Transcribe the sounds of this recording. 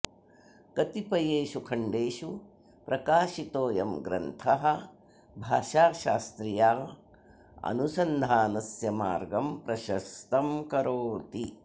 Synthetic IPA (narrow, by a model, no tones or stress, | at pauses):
kɐt̪ipɐjeːʃukʰɐɳɖeːʃu | pɾɐkaːʃit̪oːjɐmɡɾɐ̰nt̪ʰɐɦɐ̆ | bʱaːʃaːʃaːst̪ɾijaː | ɐ̰nusɐnd̪ʱaːnɐsjɐma̰ːɾɡɐmpɾɐʃɐst̪ɐmkɐɾoːt̪i